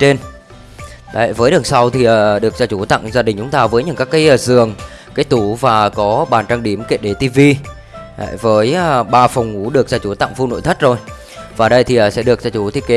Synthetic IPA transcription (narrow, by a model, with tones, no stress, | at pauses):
t͡ɕe˧n | ɗ̰jvəː˨˦jɗɨ˨˩sa˧wt̪ʰi˨˩ʔəː˨˩ɗɨ˨˩ək̚zaː˧t͡ɕu˧˩t̪a̰˧˨ŋzaː˧ɗï˨˩ŋ̟t͡ɕʊ˨˦ŋ͡mt̪aː˧vəː˨˦jɲɨ̰˧˥kaː˦˥kːaː˨˦jəː˨˧˩zɨ˨˩əŋ | kaː˨˦jt̪u˧˩vaː˨˩kɔ˨˦ɓaː˨˩nt͡ɕaː˧ŋɗi˧˩əmke˦˥t̚ɗe˧˩t̪i˧vi˧ | ʔə̰˧˨vəː˨˦jɓaː˧fɔ˨˩wŋ͡mŋu˨˧˦ɗɨ˨˩ək̚zaː˧t͡ɕu˧˩t̪a̰˧˨ŋfu˧no̰˧˨t̪ʰt̚zo˨˩j | vaː˨˩ɗə˧jt̪ʰi˨˩ʔəː˨˩sɛ̰˧˥ɗɨ˨˩ək̚zaː˧t͡ɕu˧˩t̪ʰi˧˨ke˨˦